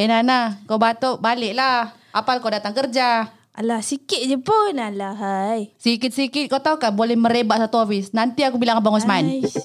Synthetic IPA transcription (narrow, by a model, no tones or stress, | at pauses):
ɛnanakawbat̪oʔbalɪʔla | apalakawdat̪aŋkərd͡ʒa | alasikɪt̪̚d͡ʒəpunalaɦajsikɪt̪̚sikɪt̪̚kawt̪aukabolɛhməɾebaʔsat̪uafisnant̪iakubilaŋabaŋɔns̬əmain